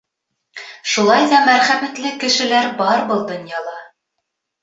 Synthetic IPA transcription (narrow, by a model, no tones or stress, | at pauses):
ʃulˠɑjðɑmæɾχæmæt̪lɘkɘ̆ʃɘ̆læɾbɑɾbɤlˠd̪ŏnjɑlˠɑ